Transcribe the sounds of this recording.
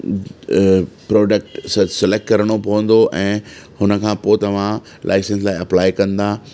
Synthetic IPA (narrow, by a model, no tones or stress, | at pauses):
pɾɔːɖək̚ʈssɛlek̚ʈkɐɾəɽ̃opɐʋə̃nd̪oʔɛ̃ːhʊnəkʰãːpoːt̪ɐʋ̤ã | lʔa̰ːɪsə̃ns̬laːɪɐplaːɪkɐ̃nd̪aː